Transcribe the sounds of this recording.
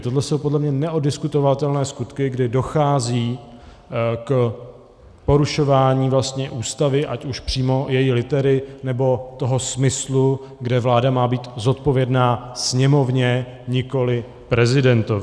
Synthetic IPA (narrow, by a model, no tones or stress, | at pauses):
t̪o̞dlɛso̞wpodlɛmɲɛnɛʔodɪskut̪o̞vat̪ɛlnɛːskut̪kɪɡdɪdo̞xaːziː | k | po̞ɾuʃo̞vaːɲiːvlast̪ɲɛʔuːst̪avɪʔacuʃpr̝̥iːmo̞jɛjilɪt̪ɛɾɪnɛbo̞t̪o̞ɦo̞smɪslu | ɡdɛvlaːdamaːbiːt̪zo̞t̪po̞vjɛdnaːsɲɛmo̞vɲɛ | ɲɪko̞lɪ | pɾɛzɪdɛnt̪ov